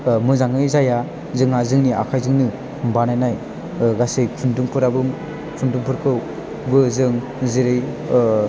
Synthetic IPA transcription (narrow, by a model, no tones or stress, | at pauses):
mɯzaŋɯjzaja | zɯŋazɯŋnia̰kʰajzɯŋnɯ | banajnaj | ɡasɯjkʰunduŋpʰɯɾabɯm | kʰunduŋpʰɯɾkʰɯw | bɯzɯŋ | ziɾɯj